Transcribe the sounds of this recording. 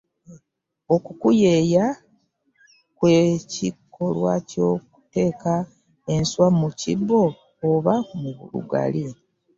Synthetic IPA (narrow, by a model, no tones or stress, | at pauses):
o̞kukujeːja | kwecikːo̞lwa̰co̞ːku̥te̞ːka | e̞nswamucḭbːo̞ː | βamuβuɾṵɡa̰li